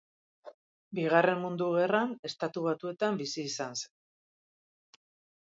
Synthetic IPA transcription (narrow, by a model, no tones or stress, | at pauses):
biɣ̞are̞mmund̪uɣ̞e̞rane̞st̪at̪uβ̞at̪ue̞t̪ambisiːsansen